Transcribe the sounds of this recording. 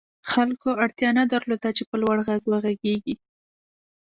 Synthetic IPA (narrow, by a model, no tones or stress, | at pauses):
xalkoaɽt̪jɑnad̪aɾlod̪at͡ʃepəlwaɽɣaɡwəɣaɡeɡi